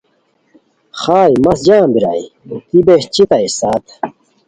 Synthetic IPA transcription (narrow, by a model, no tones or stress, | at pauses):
xaːjmɐsd͡ʑaːmbiɾaḭt̪ibeɕt͡ɕit̪ɐisaːt̪